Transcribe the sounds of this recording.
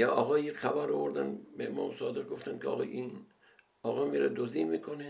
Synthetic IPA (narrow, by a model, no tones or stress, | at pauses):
jɒʔɒːɣɒːjexæbæɾovoɾd̪ænbeemɒ̰ːmsɒːd̪eq̚ɡoft̪ænkʰeɒ̰ːɣɒ̰ʔin | ɒːɣɒːmiːɾed̪oziːmiːkʰone